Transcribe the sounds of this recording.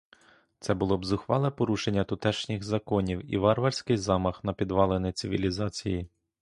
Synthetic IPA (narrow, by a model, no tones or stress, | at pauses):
t̪sɛbʊlˠɔbzʊxʋɑlˠɛpɔɾuʃenʲːɐt̪ʊt̪ɛʃnʲɪɣzɐkɔnʲiwḭʋɑrʋɐrʲsʲkɪjzɑmɐxnɐpʲid̪ʋɑlˠenɪt̪sʲɪʋʲilʲizɑt͡sʲiji